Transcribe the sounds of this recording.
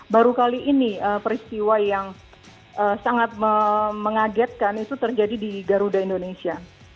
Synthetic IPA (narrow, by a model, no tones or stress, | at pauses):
baɾukaliʔːniəpəɾist̪iwajaŋ | ʔəsaŋat̪̚məməŋaɡɛt̪̚kanit̪ut̪ərd͡ʒadidiɡaɾudaindonesia